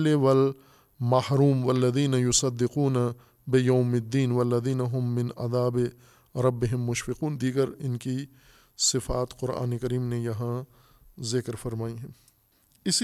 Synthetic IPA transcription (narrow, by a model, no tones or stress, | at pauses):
lewɐl | mahɾuːmwɐlːɐðiːnɐjʊsɐd̪ːɪquːna | bɪjaːmɪd̪ːiːnʋɐlːɐðiːnɐɦʊmːɪ̃nɐ̰d̪aːbɪ | ɾɐbːɪɦɪmːʊʃfɪquːnd̪iːɡəɾɪnki | sɪfaːt̪qʊɾa̰ːnekɐɾiːmnejɐɦã | zɪkɾfɐɾmaːiɦɛ̃ː | ɪs